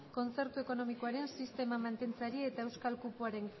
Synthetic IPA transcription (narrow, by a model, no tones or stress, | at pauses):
ko̞nt͡se̞ɾt̪ue̞ko̞no̞miko̞aɾe̞nsist̪e̞mamant̪e̞nt͡saɾiet̪aewskalkupuaɾe̞ŋ